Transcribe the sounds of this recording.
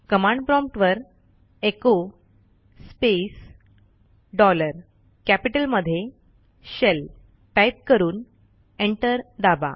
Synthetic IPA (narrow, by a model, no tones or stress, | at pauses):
kəmãɳɖ̚pɾɔ̃mp̚ʈʋəɾ | eko | spes | ɖɔləɾ | kæpiʈəlməd̪ʱːje | ɕel | ʈajp̚kəɾuːn | eɳʈəɾd̪aba̰